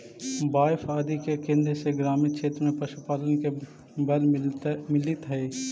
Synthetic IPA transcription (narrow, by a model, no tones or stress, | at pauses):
baːɪfʰaːd̪ikekẽnd̪eseɡɾaːminkʃʰeːt̪ɾəmẽpɾɐʃupaːlənke | bɐlmɪlɪt̪ɦɛː